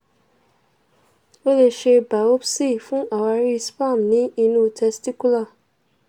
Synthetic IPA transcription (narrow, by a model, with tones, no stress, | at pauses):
o˦le˧ʃe˧ba˨o˦bsi˦˨fũ˦ʔa˨wa˧ɾi˦spa˦˨mnĩ˨˦i˧nũ˦˨tʰɛ˧sti˦ku˦la˦˨